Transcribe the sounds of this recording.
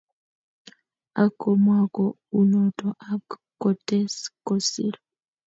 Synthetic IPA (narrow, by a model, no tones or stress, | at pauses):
akːɔmwakɔ | unɔtɔʔakː | ɔtɛskɔsḭɾɔ